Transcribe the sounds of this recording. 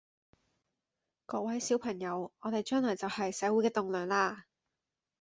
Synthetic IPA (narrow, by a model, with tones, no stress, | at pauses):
kɔː˧k̚wɐ˨˥jsiː˨˥wpʰɐ˨˩ŋjɐ˨˧wɔː˨˧t̪e˨jt͡ʃœː˥ŋlɔː˨˩t͡sɐ˨whɐ˨jsɛː˨˥wu˨˥kɛː˧t̪ʊ˨ŋlœː˨˩ŋlaː˧